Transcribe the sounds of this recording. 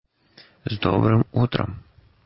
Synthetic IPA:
zd̪ɔ̰bɾɪmut̪ɾɐ̰m

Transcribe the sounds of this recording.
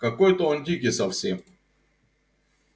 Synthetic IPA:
kɐkojt̪əondʲik̬ʲɪsɐfsʲem

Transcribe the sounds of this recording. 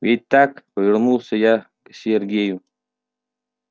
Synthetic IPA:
vʲit̚ʲt̪ːakpəvʲɪɾnulˠsʲəja | ksʲerɡʲeju

